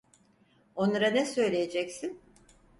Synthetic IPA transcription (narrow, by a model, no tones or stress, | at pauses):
o̞nlˠaɾanɛsø̞jlʲejed͡ʒɛcsin